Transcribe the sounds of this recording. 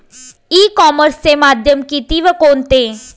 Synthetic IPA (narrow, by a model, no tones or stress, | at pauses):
iːkɔːməɾsemaːd̪ʱjəmkit̪iʋəkoːnt̪e